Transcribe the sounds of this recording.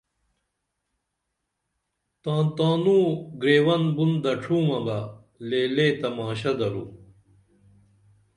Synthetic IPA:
t̪ãːt̪aːnũɡɾeːwɐnbund̪ɐʈ͡ʂʰuːmɐba | leːleːt̪ɐmaːɕɐd̪ɐɾṵː

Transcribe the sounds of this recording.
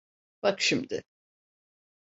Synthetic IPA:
b̥akʃimd̪ɪ

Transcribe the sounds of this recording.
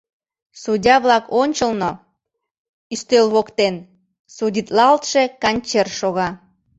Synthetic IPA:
sudʲɑβlɑkonʲt͡ɕəlno | yst̪ølβokt̪en | sudʲit̪lɑlt̪ʃekɑnʲt͡ɕerʃoɣɑ

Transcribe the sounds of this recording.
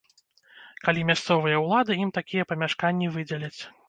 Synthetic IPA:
kalʲimʲast̪sɔvɨjɐwlˠad̪ɨimt̪akʲijɐpɐmʲaʂkanʲːivɨd͡zʲɛlʲɐt͡sʲ

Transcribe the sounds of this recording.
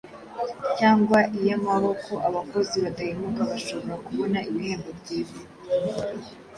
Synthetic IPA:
caːŋɡwaʔijamaɾoko̞ʔaβako̞ziβatahimukaβaʃo̞βo̞ɾakuβo̞naiβiheːmbobɟiːβo

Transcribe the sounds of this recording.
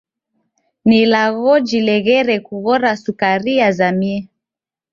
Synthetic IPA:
nilaɣɔd͡ʒilɛɣɛɾɛkuɣɔɾasukaɾiazamiɛ

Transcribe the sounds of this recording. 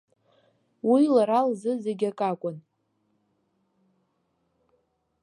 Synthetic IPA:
wilaɾalzɨzeɡʲakʼakʷʼʊn

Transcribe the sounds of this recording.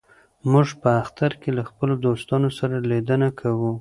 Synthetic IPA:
muʒpəaxt̪aɾkelaxpəlod̪ost̪ɑnosaɾaled̪ənakʰawu

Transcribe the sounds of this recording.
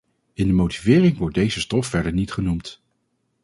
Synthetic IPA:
ɪndəmowtivɪːrɪŋʋɔɹt̚dejzəstɔfːɛɹdəɹnitχənumt

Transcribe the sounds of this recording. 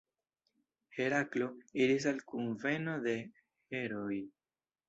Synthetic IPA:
he̞ɾaklo̞iɾis̬alkunve̞no̞d̪e̞ | he̞ɾo̞j

